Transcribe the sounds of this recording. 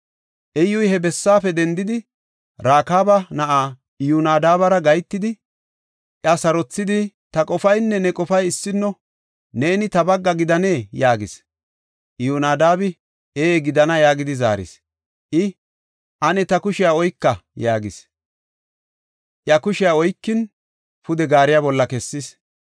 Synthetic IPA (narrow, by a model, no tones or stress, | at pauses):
ʔɛjːʊjhɛbɛsːaːfɛd̪ɛnd̪ɪd̪ɪ | ɾaːkaːbɐnɐʔaː | junaːd̪aːbɐɾɐɡɐjt̪ːɪd̪ɪ | ʔjɐsɐɾɔt͡sːɪd̪ɪ | t̪ɐkʼɔfɐjnːɛnɛkʼɔfɐjɪsːɪnːɔ | ne̞ːnɪt̪ɐbɐɡːɐɡɪd̪ɐne̞ːjaːɡɪs | ʔjunaːd̪aːbɪ | eːɡɪd̪ɐnɐjaːɡɪd̪ɪza̰ːɾɪ̰s | ʔɪ | ʔɐnɛt̪ɐkʊʃɪjaɔjkːɐjaːɡɪs | ʔjɐkʊʃɪjaɔjkːɪn | pʊd̪ɛɡaːɾɪjabɔlːɐkɛsːɪs